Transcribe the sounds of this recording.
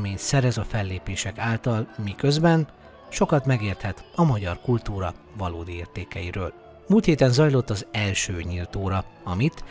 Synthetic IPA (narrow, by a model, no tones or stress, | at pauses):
meːɲt̪sɛɾɛzɒfɛlːeːpeːʃɛkaːlt̪ɒlmikøzbɛn | ʃo̞kɒt̪mɛɡeːrt̪hɛt̪ɒmɒɟɒrkult̪uːɾɒ | vɒlo̰ːd̪ieːrt̪eːkɛjiɾøːl | muːlt̪heːt̪ɛnzɒjlo̞t̪ːɒzɛlʃøːɲilt̪oːɾɒɒmit̪